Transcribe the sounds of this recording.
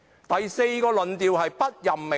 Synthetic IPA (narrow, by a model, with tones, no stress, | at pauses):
t̪ɐ˨jse˧jkɔː˧lɵ˨nt̪iː˨whɐ˨jpɐ˥t̚jɐ˨mme˨